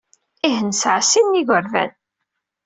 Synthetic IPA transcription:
iɦənsʕsinːiʝʷəɾvæ̰n

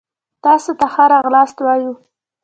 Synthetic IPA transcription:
t̪ɑsot̪axaɾɑɣlɑst̪wɑju

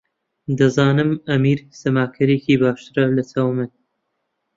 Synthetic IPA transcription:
d̪ɐzaːnɨmɐmiːɾsɐmaːkʰɐɾeːkiːbaːʃt̪ɨɾɐlɐt͡sʰawmɨn

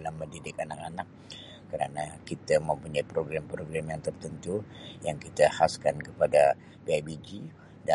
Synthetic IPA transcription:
lamːədidɪkanak̚anak̚ː | əɾanakit̪amə̃mpuɲaipɾoɡɾampɾoɡɾamjaŋt̪ərt̪ənt̪ujaŋkit̪ahaskankəpada | piabid͡ʒi | da

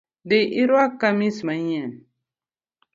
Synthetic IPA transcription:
deʔiɾwakamĩsmaɲen

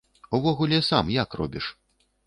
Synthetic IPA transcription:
uvɔɣulʲɛsamjakrɔ̰bʲiʂ

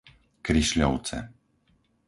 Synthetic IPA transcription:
kɾiʃlʲɔwt͡sɛ̰

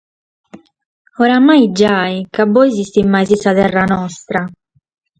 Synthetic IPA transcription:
ɔɾamajd͡ʒaːikabːɔjzist̪imːajzisaðɛrːanɔst̪ɾa

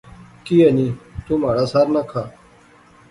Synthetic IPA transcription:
kiːəniːt̪uːmaːɽaːsaːɾnaːkʰaː

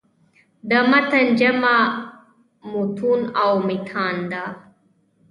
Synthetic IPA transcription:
d̪amat̪and͡ʒama | mut̪ʰunawmɪt̪ʰaːnd̪a

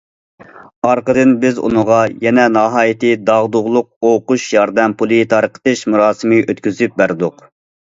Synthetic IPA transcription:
ɑɾqəd̪ɨnbɪzṵnəʁɑjɛnɛnɑɦɑːjit̪ɨd̪ɑʁd̪ʊʁlˠʊq̚oquʃjɑɾd̪ɛmpʰulˠɨt̪ʰɑɾəqə̥t̪ɨʃmuɾɑːsɨmɨʔøt̪kʲyzyp̚bæɾd̪ʊq

